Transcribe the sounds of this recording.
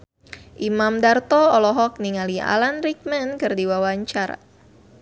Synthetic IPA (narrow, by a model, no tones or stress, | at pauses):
ʔimamdart̪ɔɔlɔɦɔk̚niŋalia̰lanrik̚mɛnkɨrdiwawaɲt͡ʃara̰